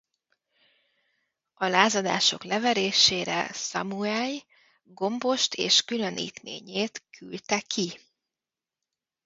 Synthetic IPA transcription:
ɒlaːzɒd̪a̰ːʃo̞̰klɛvɛɾeːʃeːɾɛ̰sɒ̰muaːj | ɡo̞mbo̞ʃt̪ʰḛːʃkylønʔḭːt̪mḛːɲeːt̪kʰylt̪ɛkʰi

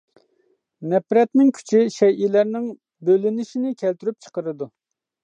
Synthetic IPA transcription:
nɛpɾɛt̪nɪŋkʲʰy̥t͡ʃʰiʃɛjilæɾnɪŋ | bølɪnɪʃinɪkʲʰɛlt̪yɾyp̚t͡ʃʰə̥qəɾɨd̪u

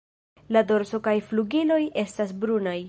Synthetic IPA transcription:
lado̞ɾso̞kajfluɡilo̞jʔe̞stas̬bɾunaj

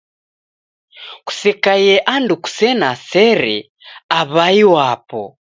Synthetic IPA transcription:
ku̥sɛkajɛʔanduku̥sɛnasɛɾɛ̰ | aβaiwapɔ

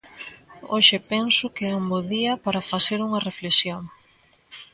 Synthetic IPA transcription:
oʃɪpɛnsʊkeamboðiɐpaɾɐfaθeɾuŋɐreflesjoŋ

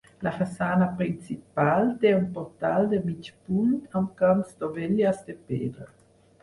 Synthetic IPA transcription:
lafasaːnapɾint͡sipalteunpɔʁtaldəmit͡ʃpuntamkansdoveljasd̪əpeːd̪ə

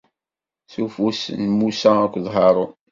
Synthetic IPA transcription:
θufusnmusæækʷːðˤɦɑɾˤo

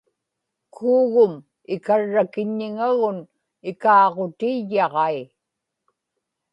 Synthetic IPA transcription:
kʰuːɣʊm | ɪkaɻːakɪɲːɪŋaɣʊn | ɪkɑːʁot̪ijːɑʁɑi

